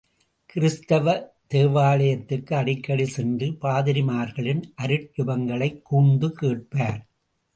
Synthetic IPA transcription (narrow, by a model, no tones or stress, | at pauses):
kɪɾɪst̪ɐʋɐ | t̪eːʋaːɭɐjɐt̪ːɪkːɯɐɽɪkːɐɽisɛndrɯpaːðɪɾɪmaːɾɣɐɭɪnʔɐɾɯʈ̚jʊbɐŋɡɐɭɐɪkːuːnd̪ɯkeːʈ̚paːɾ